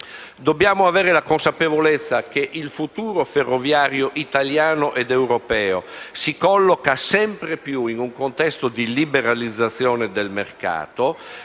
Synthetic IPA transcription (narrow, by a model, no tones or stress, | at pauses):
d̪objaːmoavɛːɾelakonsapevolɛt̪sːakeʔilfut̪uːɾoferːovjaːɾjoʔit̪aljaːnoʔɛd̪ɛwɾopɛːo̰sikɔlːokasɛmpɾepjuinuŋkont̪ɛst̪od̪ilibeɾalid̪zːat̪sːjɔːned̪elmerka̰ːt̪o